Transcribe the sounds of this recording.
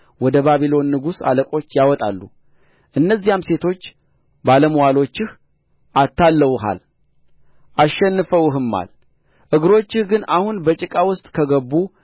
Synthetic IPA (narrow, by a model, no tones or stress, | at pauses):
wɔd̪əβaβilo̞nːɨɡusa̰ləkʼo̞t͡ʃːjawɔt̪ʼa̰lːṵ | ʔɨnːəzːijamse̞t̪ʰo̞t͡ʃː | baləmwalo̞t͡ʃːɪh | ʔat̪ʰːalːəwɦa̰l | ʔaʃːɛnːɨfəwɦɨmːa̰l | ʔɨɡɨɾo̞t͡ʃːɪhɡɨnahunbət͡ʃʼɪkʼawʊst̪ʼkʰəɡəbːu